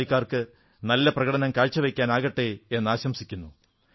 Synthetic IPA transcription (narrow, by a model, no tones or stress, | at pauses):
ikʲːaːrkɨ | nɐlːɐprɐɣɐɽɐnɐmkaːɻt͡ɕːɐʋɐjkʲːaːnaːɣɐʈːeenːɨaːɕɐmsikʲːunːu